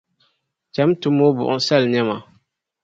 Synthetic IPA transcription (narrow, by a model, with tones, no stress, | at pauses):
t͡ʃa˨˦mtʊ˦mːo˦bʊ̰˨ʔʊ̰˦sa˦lɲɛ˦ma˨